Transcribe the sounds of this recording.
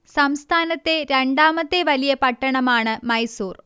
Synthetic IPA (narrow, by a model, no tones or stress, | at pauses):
sɐmst̪ʰaːnɐt̪ːe̞ɾeɳɖaːmɐt̪ːe̞ʋɐlijɐpɐʈːɐɳɐmaːɳɨmɐjsuːr